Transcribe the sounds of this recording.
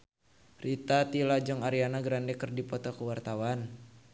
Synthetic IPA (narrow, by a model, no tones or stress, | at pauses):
rit̪at̪ilad͡ʒɔŋaɾianaɡɾandɛkərdipɔt̪ɔkuwart̪awan